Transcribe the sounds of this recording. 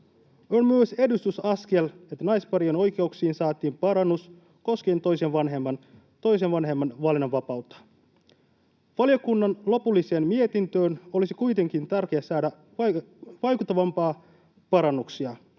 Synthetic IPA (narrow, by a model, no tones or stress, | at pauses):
onmyøsedust̪usɑske̞let̪ːænɑjspɑɾieno̞jkeuksiːnsɑːt̪iːmpɑɾɑnːus | ko̞sk̟e̞ːnt̪o̞jsenʋɑnɦemːɑn | t̪o̞js̬eʋɑnɦemːɑnʋɑlinoʋʋɑpɑwt̪ːɑ̥ | ʋɑljokunːɑnlo̞pulːise̞ːmmie̞t̪int̪øːno̞lisikujt̪e̞ŋk̟int̪ærk̟eɑsɑːdæ | ʋɑ | ʋɑjkut̪ːɑʋɑmpɑː | pɑɾɑnːuksiɑ